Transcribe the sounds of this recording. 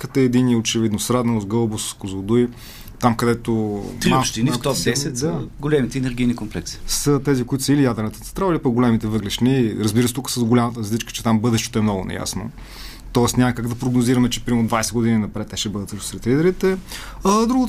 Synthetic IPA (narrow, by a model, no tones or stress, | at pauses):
kət̪əːd̪iniot͡ʃɛvid̪nosɾad̪nəlˠozɡɤlˠboskozod̪uj | t̪amkɐd̪ɛt̪oɾmaʃt̪inft̪ɔpd̪ɛsɛt̪saɡolɛmit̪ɛnɛɾɡʲijnikomplɛksi̥sət̪ɛzikoʊit̪ʊsəilijad̪ɛɾnət̪ə̥t̪ɛ̥st̪ɾailipəɡolɛmit̪ɛvɤɡlɛʃniɾɐzbiɾəsɛt̪ukə̥sɐzɡolʲamɐt̪əɾɐzlit͡ʃkə̥t͡ʃɛ̥t̪ambɤd̪ɛʃt̪ɛ̥t̪oɛmnɔɡʊnɛ̰ja̰sno̰ | t̪ɔɛsnʲamɐkaɡd̪ɐpɾoɡnoziɾɐmɛt͡ʃɛpɾimd̪vajsɛd̪ɡʊd̪ininɐpɾɛt̪ːɛʃɛbɤd̪ət̪səʃn̥sɾɛt̪lid̪ɛɾit̪ɛ | ɐd̪ɾuɡot̪